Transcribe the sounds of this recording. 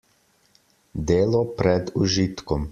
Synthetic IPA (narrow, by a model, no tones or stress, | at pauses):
d̪eːlɔpɾɛd̪uʒit̪kɔm